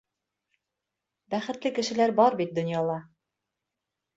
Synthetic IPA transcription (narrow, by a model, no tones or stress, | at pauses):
bæχɘ̆t̪lɘkɘ̆ʃɘ̆læɾbɑɾbit̪̚d̪ŏnjɑlˠɑ